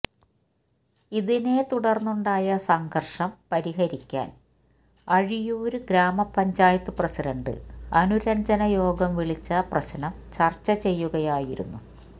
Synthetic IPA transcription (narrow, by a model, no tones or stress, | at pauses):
iðine̞t̪uɽɐrnːuɳɖaːjɐsɐŋɡʱɐrʂɐmpɐɾiɦɐɾikʲːa̰ːn | ɐɻijuːɾuɡɾaːmɐpɐɲd͡ʑaːjɐt̪ːɨprɐsiɖɐɳɖɨ̰ɐnuɾɐɲd͡ʑɐnɐjo̞ːɡɐmʋiɭit͡ɕːɐprɐɕɐnɐm | t͡ɕɐrt͡ɕːɐt͡ɕe̞jːuɣɐjaːjiɾṵnːu